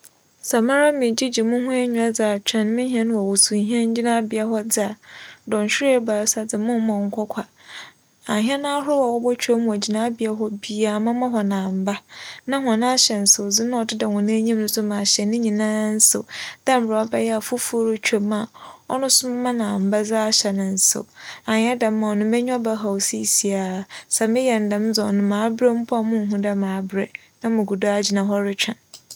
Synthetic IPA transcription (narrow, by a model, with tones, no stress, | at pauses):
sa˨mã˦ɾa˦mɪ̃˨d͡ʑi˦d͡ʑi˨mʊ̃˦hʊ̃˦e˦ɲũ˨a˦d͡za˨t͡ɕᶣʰɛ̃˨n˦mɪ̃˦ɦi˦ɛ̃˦ñ˦wɔ˨wu˨su˨ɦɛ̃˦ɲ̩˦d͡ʑi˦nã˦bɪ˨a˦hɔ˦d͡zɪ˦a˨dɔ̃˨n̩˨ɕᶣɪ˦e˦baː˨ɾsa˨d͡zɪ˨mʊ̃˦mɔ̃˨ŋ̩˦kʰʷɔ˦kʷʰa˨ | a˨ɦĩ˦ɛ˦nã˦a˦hʊ˦wɔ˨wɔ˦bɔ˦t͡ɕʰᶣa˦mũ˨a˨d͡ʑi˨nã˦bɪ˨a˦ɦɔ˦bi˦a˨mã˦mã˦ɦɔ˨nãː˨m̩˨ba˦nã˦ɦʊ̃˨ã˨nã˦ɕɛ˨n̩˨sʊ˨d͡zɪ˦nã˦ɔ˨dɪ˦da˨hʊ̃˨nã˦ɲĩ˦m˦nʊ̃˦sʊ˦mã˨ɕɛ˨nɪ̃˦ɲĩ˨nã˦n̩˦sʊ̰˨d̥ɛ˦m̩˨bɾa˨ɔ˦bɛ˦jɛ˦a˨fʊ˦fu˦o˦ɾʊ˦t͡ɕᶣa˨ma˨ɔ̰˦nʊ̃˦sʊ̃˦mː˦ã˦nã˨m̩˨ba˦d͡za˦a˦ɕɛ˨nɪ̃˨n̩˨sʊ̰˨a˨ɲ˦ɛ˦da˨m˦mã˨ɔ˨nʊ̃˦mɛ˦ɲᶣ˦ɔ˦ba˦ɦa˨wsi˦˨si˨a˨sa˨mɪ̃˦jɛ˨n̩˨dã˨m˦d͡zɔ˨nʊ̃˨mãː˨˦bɾɛ˦m̩˦pʰʊ˦a˨mʊ̃˦n̩˨ɦʊ̃˦dɛ˦mãː˨˦bɾɛ˨ | nã˦mʊ̃˨ɡu˨da˦a˨d͡ʑi˨nã˨ɦɔ˦ɾɪ˦t͡ɕᶣã˨n